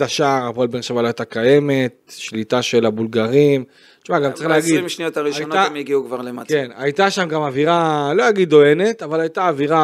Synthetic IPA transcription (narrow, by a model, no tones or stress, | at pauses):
aʃaːʁapoelbenʃavaloajt̪akaje̞me̞t̪̚ʃlit̪aʃelabulɡaʁim | ʃmaɡamsʁiχleaɡidimʃnijot̪aʁiʃaonoamjiɡiukvaʁlema̰tkenajt̪aʃamɡamaviʁalo̞aɡiddo̞e̞ne̞t̪avalajt̪aːviʁa